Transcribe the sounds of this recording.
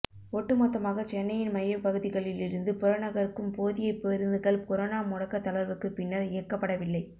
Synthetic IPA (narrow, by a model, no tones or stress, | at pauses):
ɔʈːɯmɔt̪ːɐmaːɣɐt͡ʃɛnːɐjɪnmɐjɐpɐɣɯðɪɣɐɭɪlɪɾɯnd̪ɯpɔɾonɐɣɐɾɯkːɯmpoːðɪjɐɪpːɾɯnd̪ɯɣɐɭkɔɾoːnaːmʊɽɐkːɐt̪ːɐlɐɾʋɯkːɯpɪnːɐɾɪjɐkːɐpːɐɽɐʋɪlːɐɪ